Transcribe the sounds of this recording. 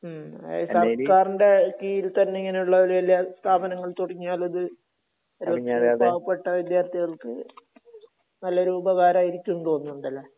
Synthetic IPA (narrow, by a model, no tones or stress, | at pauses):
ḛjsakaːrinde̞kiːjilt̪ɐnːeiŋːɐne̞juɭːɐoluelːaːst̪ʰaːbɐnɐŋːɐɭt̪uɽiɲːaːlɐðɨ | ɾbʱaːɣɐpːe̞ʈːɐʋjid̪jaːrt̪iɣɐɭkɨ | nɐlːɐɾuːbɐɣaːɾaːjiɾikʲːunːut̪o̞ːnːuuɳɖɐlːɐ